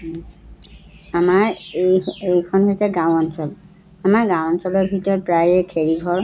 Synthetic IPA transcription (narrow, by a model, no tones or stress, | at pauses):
amaɹ | ejkʰɔnɦojsɛɡãwɔnsɔl | amaɹɡãwɔnsɔlɔɹbʱitɔɹpɹajɛkʰeɹiɡʱɔɹ